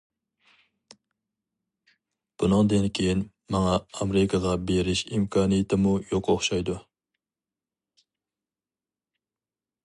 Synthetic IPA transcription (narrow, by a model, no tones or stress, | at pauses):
b̥unɨŋd̪ɪnkʲʰejin | mɑŋɑːmɾɪkʰɑʁɑbeɾɪʃimkʰɑːnijɪt̪ʰɪmujoqoχʃɑjd̪u